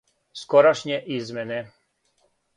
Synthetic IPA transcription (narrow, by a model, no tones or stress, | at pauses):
skɔɾaʃɲɛʔizmɛnɛ